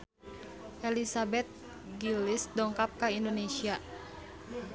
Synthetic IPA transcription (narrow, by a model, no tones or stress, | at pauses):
ʔɛlisabɛt̪̚ | ɡilisdɔŋkap̚kaindonesia